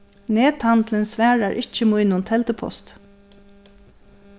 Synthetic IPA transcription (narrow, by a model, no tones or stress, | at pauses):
neːt̪hant̪lɪnsʋæːɹaɹʔɪt͡ʃəmujnʊnt̪ʰɛlt̪əpʰɔ̰st̪